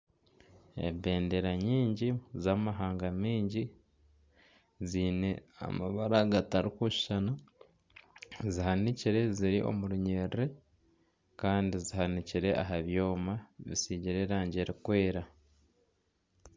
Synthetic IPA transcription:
ḛbe̞ːndeɾaɲiːɲɟizamaɦaːŋɡamiːɲɟi | ziːne̞a̰maβaɾaɡataɾikuʃi̥ʃana | zihaniciɾe̞ziɾiʔo̞̰muɾuɲe̞ːɾiɾe̞ | kaːndizihaniciɾe̞ʔaɦaβjo̞ːmaβḭsiɟiɾeɾaːɲɟeɾikwe̞ːɾa

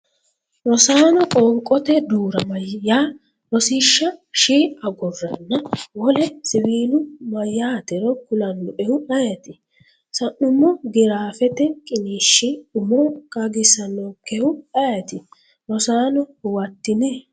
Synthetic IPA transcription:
ɾɔsaːnɔkʼɔːŋkʼːɔt̪ɛd̪uːɾɐmɐjːaː | ɾɔsiːʃːɐʃiːɐɡɔrːɐnːɐwɔlɛsɪwiːlʊmɐjːaːt̪ɛɾɔkʊlɐnːɔʔɛʊʔɐjɐt̪ɪ | sɐnʔːʊmɔɡɪɾaːfɛt̪ɛkʼɪniːʃːiʊmɔkʼɐɡɪsɐnːɔkɛʊɐjɐt̪ɪ | ɾɔsaːnɔwɐt̪ːɪnɛ

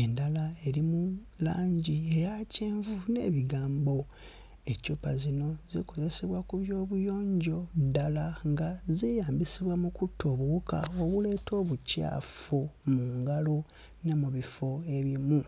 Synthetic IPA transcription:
e̞ndalae̞ɾimu | laːɲɟiejaceːɱvune̞̰ːβiɡaːmbo̞ | e̞cupazino̞ziko̞ze̞se̞βwakuβjo̞ːβujo̞ːɲɟo̞dalaŋɡazijaːmbisiβwamukutʰːo̞ːβuuka̰oβule̞ːtʰo̞ːβuca̰ːfomuːŋɡalo | ne̞muβifo̞e̞βimu

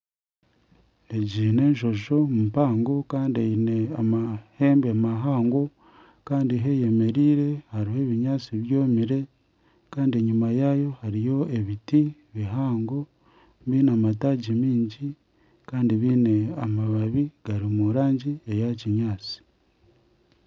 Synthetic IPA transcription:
e̞ɟiːne̞ːɲʃo̞ʃo̞mupaːŋɡo̞kaːndaine̞amahe̞ːmbemaɦaːŋɡo̞ | kaːndiɦe̞je̞me̞ɾiːɾe̞haɾiɦe̞ːβiɲaːt͡siβjo̞ːmiɾe̞ | kaːndieɲumajajo̞haɾijo̞e̞βiti | βiɦaːŋɡo̞ | βiːnamataːɟimiːɲɟi | kaːndiβiːne̞amaβaβiɡ̥aɾimuɾaːɲɟiejaciɲaːt͡si̥

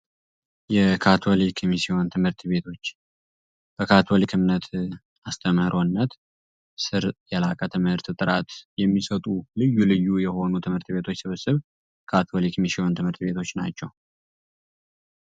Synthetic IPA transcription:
jɛkʰat̪ʰolikʰmisiont̪ʰɨmhɨɾt̪βe̞t̪ʰo̞t͡ʃː | b̥əkʰat̪ʰolikʰɨmnət̪ʰ | ast̪ʰəməɾʔo̞nːət̪ | sɨɾjɛlakʼət̪ʰɨmhɨɾt̪t̪ʼɨɾat̪jɛmːisət̪ʼulɨjːulɨjːujɛho̞nut̪ʰɨmhɨɾt̪be̞t̪ʰo̞t͡ʃːsɨβəsɨβ | kʰat̪ʰolikmisiont̪ʰɨmhɨɾt̪be̞t̪ʰo̞t͡ʃːna̰t͡ʃːɛw

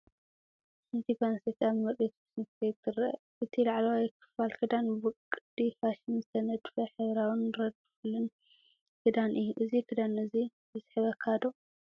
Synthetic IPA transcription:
sɨnt̪ʰikanset̪aβmɐɾet̪ɨsɨnt̪et̪ʰɨɾɐ | ʔɨt̪ʰilaʕlɐwajɛkʰːɨ̥falkʰɨd̪anbɨkʼːɨd̪̥ifaʃɪnzɨt̪ʰɐnɐd̪fɐħɨβɾawɨnɾɐd̪̚fɨlɨn | kʰɨd̪anʔɨjuʔɨzikʰɨd̪anɨzibɨsħɨβɐkʰad̪o

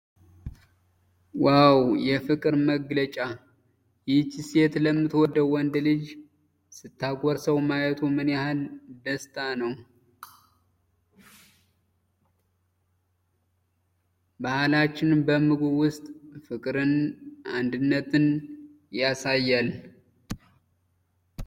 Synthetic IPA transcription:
wawjɛfɨkʼɨɾməɡlət͡ʃʼa | jɪht͡ʃːiset̪ləmːɨt̪wɔd̪əwːɔnd̪lɨd͡ʒ | sɨt̪ʰːaɡʷɔɾsəwmajɛt̪ʰumɨnahald̪əst̪ʰʼanəw | bahlat͡ʃːɪnbəmɨɡuwʊst̪ʼfɨkʼɾɨnand̪ɨnːət̪ʰɨn | jasajːal

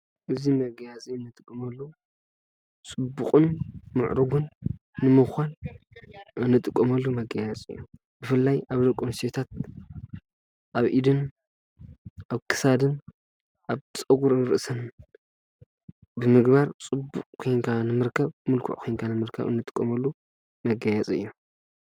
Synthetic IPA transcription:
ʔɨzimɐɡɐjazʼiɨnːɨt̪ʼɨkʼːɐmɐlːo | t͡sʼɨbːuqʼɨnmɨʕɾɨɡunː | ɨmɨxʷan | ʔɨnːɨt̪ʼɨkʼːɐmɐlːumɐɡɐjazʼḭjːu | b̥ɨfɨlːajaβdɐkʼːonset̪ʰat̪̚ | ʔaβʔid̪ɨn | ʔaβkʰɨ̥sad̪ɨn | ʔaβt͡sʼɐɡuɾɨnɾɨʔɨsɐn | bɨmɨɡbaɾt͡sʼɨbːukʼkʰojŋkʰanɨmɨɾkʰɐβmɨlkʰṵʕkʰojnkʰanɨmɨɾkʰɐ̰βɨ̰nːɨt̪ʼɨ̥kʼːɐ̰mɐlːu | mɐɡɐjɛt͡sʼɨ̰jːo

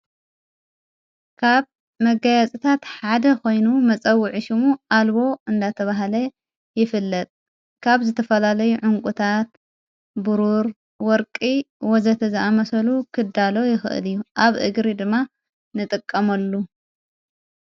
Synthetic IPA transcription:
kʰaβ | mɐɡajat͡sʼit̪ʰat̪ħad̪ɐkʰo̞jnumɐt͡sʼɐwːɨʕiʃɪmuʔalβo̞ɨnd̪at̪ʰɐβaɦlɐ | jɪfɨlːɐt̪ʼ | kʰaβzɨt̪ʰɐfɐlalɐjuʕʊŋkʼut̪ʰat̪ | bɨɾuɾ | wɔɾkʼiwɔzɐt̪ʰɐzɐʔamɐsɐlukʰɨd̪alo̞jɪxɨ̰ʔɨ̰lijːuʔaβʔɨ̰ɡɾid̪ɨmːa | nɨt̪ʼɨkʼːɐmɐlːu

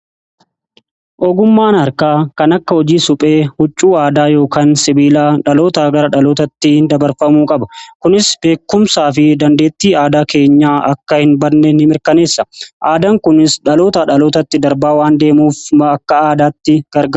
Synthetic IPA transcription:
ʔɔɡʊmːaːnɐɾkaːkɐnɐkːɐhɔd͡ʒiːsʊpʼe̞ːhʊt͡ʃʼːuːaːd̪aːjo̞ːkaːnsɪbiːlaːᶑɐlo̞ːt̪aːɡɐɾɐᶑɐloːt̪ɐt̪ːɪd̪ɐbɐɾfɐmuːkʼɐbɐ̥kʊnɪsb̥e̞ːkːʊmsaːfɪd̪ɐnd̪e̞ːt̪ːiːaːd̪aːke̞ːɲːaːʔɐkːɐhɪnbɐɾnenɪmɪɾkɐne̞ːsːɐʔaːd̪aŋkʊnɪsᶑɐlo̞ːt̪aᶑɐlo̞ːt̪ɐt̪ːɪd̪ɐɾbaːwaːnd̪e̞ːmuːfɐkːɐaːd̪aːt̪ːɪɡ̥ɐɾɡɐ

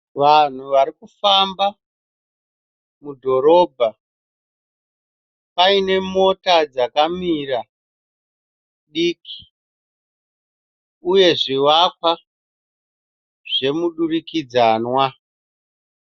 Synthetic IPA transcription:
ʋan̤uʋaɾikufamba | mudʱo̞ɾo̞ːbʱa | paine̞mo̞tad͡zakamiːra | ɗiːki̥ | uje̞ʐiwakwa | ʐ̥e̞muɗurikid͡zanwa

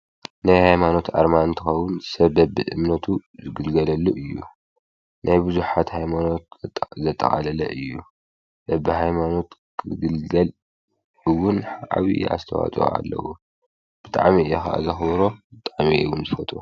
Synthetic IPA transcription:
najhajmano̞t̪aɾmant̪ʰɨxɐwːʊnsɐβːɐbɨʔɨmnɐt̪ʰuzɨɡɨlɡɐlɐlːuʔɨjːṵ | nʔajbɨzuħat̪hajmano̞t̪̚zɐt̪ʼːɐ̰χʼa̰lɐlɐ̰ʔɨjːu | b̥ɐbiɦajmano̞t̪kʰɨɡɨlɡɐl | ɨwʊnħʔaβḭa̰st̪ʰɐwa̰t͡sʼo̰a̰lːɐ̰wo | b̥ɨt̪ʼa̰ʕmiɨɛxaʔa̰zɐxβɾobɨt̪ʼaʕmiʔwunzɨfɐt̪ʰʼu

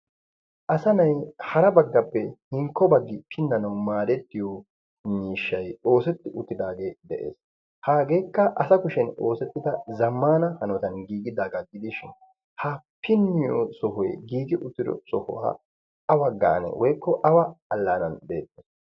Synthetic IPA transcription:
ʔɐsɐnɐjhɐɾɐbɐɡːɐpːɛhɪŋkːɔbɐɡːɪpʰɪnːɐnɐwmaːd̪ɛt̪ːɪjo | miːʃːɐjo̞ːsɛt̪ːɪʔʊt̪ːɪd̪aːɡe̞ːd̪ɛʔḛːs | haːɡe̞ːkːɐʔɐsɐkʊʃɛno̞ːsɛt̪ːɪd̪ɐzɐmːaːnɐhɐnɔt̪ɐnɡiːɡɪd̪aːɡɐɡɪd̪ɪʃɪn | hɐpʰɪnːɪjosɔhɔjɡiːɡɪʔʊt̪ːɪd̪ɔ̰sɔhʊ̰wa̰ː | ɐwɐɡa̰ːnɛ̰wʔɔjkːɔʔɐwɐɐlːaːnɐnb̪eːt̪ːɛs

